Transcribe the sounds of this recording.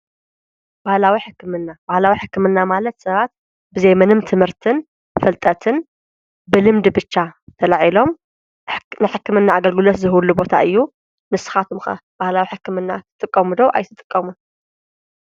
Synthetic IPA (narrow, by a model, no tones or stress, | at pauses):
b̥ahlawiħɨkːɨmɨnːabahlawiħɨkːɨmɨnːamalɐt̪sɐβat̪̚ | bɨzejmɐnɨmt̪ʰɨmhɨɾt̪ʰɨn | fɐlt̪ʼɐt̪ʰɨn | bɨlɨmd̪bɨt͡ʃːat̪ʰɐlaʕilo̞m | nɨħɨkːɨmɨnːaːɡɐlɡɨlot̪zɨhlːubo̞t̪ʰa̰ʔɨjːu | nɨsɨ̥xat̪ʰumxɐ̰b̥ahlawiħɨkːɨmɨnːat̪ʰɨt̪ʼɨkʼːɐmud̪oʔa̰jt̪ʰɨt̪ʼɨkʼːɐmun